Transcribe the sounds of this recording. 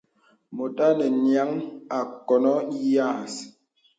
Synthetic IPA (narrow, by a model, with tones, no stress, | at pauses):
mo˨ta˦nɛ˨nja˨˦ŋa˨kɔ˨nɔ˦i˦ja˦˨s